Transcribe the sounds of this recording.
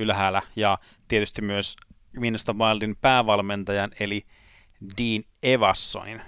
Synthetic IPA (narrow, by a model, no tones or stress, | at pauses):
ylɦæːlæjɑ | t̪iet̪yst̪immyøs | minːɑst̪ɑpɑelt̪inpæːʋɑlment̪ɑjɑneli | diːn | eʋɑsːo̰nḭn